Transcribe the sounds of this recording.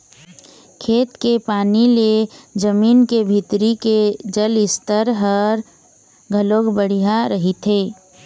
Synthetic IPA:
kʰeːt̪kepaːniled͡ʒəmiːnkebʱɪt̪ɾiked͡ʒəlɪst̪əɾɦəɾ | ɡʱəloːɡbəɽ̤ijaɾəɦit̪ʰeː

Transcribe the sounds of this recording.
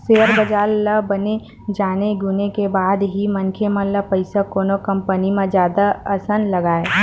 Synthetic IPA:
seːəɾbəd͡ʒaːlləbəne | d͡ʒaːneɡʊnekebaːd̪ɦimɐnkʰemələpəɪsakoːnokə̃mpənimẽzjaːd̪aɐsənlɐɡaːe

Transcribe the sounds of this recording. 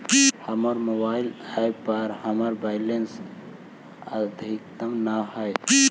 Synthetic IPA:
həməɾmobaɪlajpəɾhəməɾbaɪlens | əd̪ʱikt̪əmnaɦəj

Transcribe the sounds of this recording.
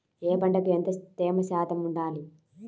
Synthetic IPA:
eːbɐɳɖɐkuent̪ɐt̪eːmɐʃaːt̪ɐmuɳɖaːli

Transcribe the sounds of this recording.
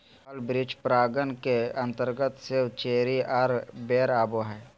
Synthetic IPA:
lbɾɪt͡ʃpɾaːɡənkeə̃nt̪əɾɡət̪sɪwt͡ʃeːɾiʔaɾbeːɾaːboɦɛː

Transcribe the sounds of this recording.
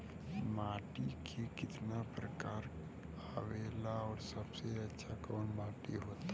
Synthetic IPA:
maːʈikʰikɪt̪napɾəkaːɾ | aːʋeːlaɔːɾsəbseɐtːʃʰakɔːnmãːʈḭɦoːt̪a

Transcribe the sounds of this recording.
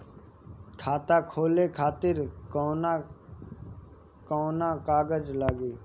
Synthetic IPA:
kʰaːt̪aːkʰoːleːkʰaːt̪ɪɾkoːn | koːnãːkaːɡəd͡ʒlaːɡeː

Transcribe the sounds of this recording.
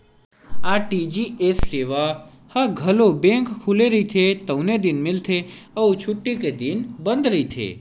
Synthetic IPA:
aʈid͡ʒiesːeʋa | haɡʱəlobẽŋkkʰuleɾəɦit̪ʰet̪əwned̪inmɪlt̪ʰeəũt͡ʃʰuʈːiked̪inbənd̪ɾəit̪ʰḛ

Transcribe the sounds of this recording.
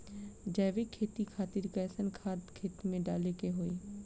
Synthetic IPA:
d͡ʒɛːʋikʰeːt̪ikʰaːt̪ɪɾkɛːsənkʰaːd̪kʰeːt̪mẽɖaːlekeɦoːiː

